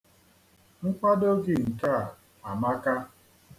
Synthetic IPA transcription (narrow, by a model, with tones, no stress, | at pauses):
ŋ̩˦k͡pa˦do˦ɡɪ˨ŋ̩˨ka˦a˨ | a˨ma˦ka˦